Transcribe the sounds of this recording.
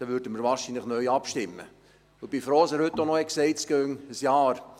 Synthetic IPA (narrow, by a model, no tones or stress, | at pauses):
d̥ɑʋʏɾdəməɾʋɑːɾʃiːnləχnœʏɑpʃtɪmːə̰ | ʊbifɾoːsəɾhɵt̪ːonɔɛksɛɪskøŋəsjɑːɾ